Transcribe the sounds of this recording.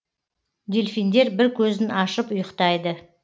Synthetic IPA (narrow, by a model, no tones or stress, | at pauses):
d̪ʲelʲfind̪e̞ɾbɪɾkʲʰɵzɪnɑʃəpʊjəqt̪ɑjd̪ə